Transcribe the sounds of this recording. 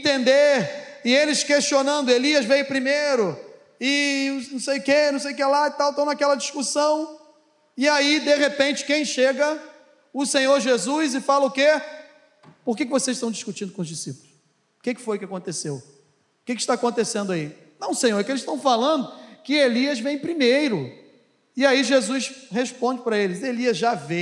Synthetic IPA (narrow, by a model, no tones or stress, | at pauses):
ẽt̪ẽnd̪eɪelɪskeʃt͡ʃionɐ̃nd̪ʊeliɐzvejʊpɾimejɾʊ | ɪnɐ̃w̃sejʊkenɐ̃w̃sejʊkelaɪt̪awt̪ɐ̃w̃nakɛlɐd͡ʒiskusɐ̃w̃ | ɪaid̪eʁepẽnt͡ʃɪ̥kẽj̃ʃeɡɐ | ʊsẽɲoɾʒezujzɪfalɐʊke | poχkekɪvosezɪʃt̪ɐ̃w̃d͡ʒiʃkut͡ʃĩnd̪ʊkõʊzd͡ʒisipʊlʊs | kekɪ̥fojʊkɪakõt̪esew | ʊkɪkɪ̥ʃt̪aːkõt̪esẽnd̪ʊai | nɐ̃w̃sẽɲoɾɛkelɪsʃt̪ɐ̃w̃falɐ̃d̪ʊkɪeliɐzvẽj̃pɾimejɾʊ | ɪaiʒezusheʃpõd͡ʒɪpɾɐelɪzeliɐzʒave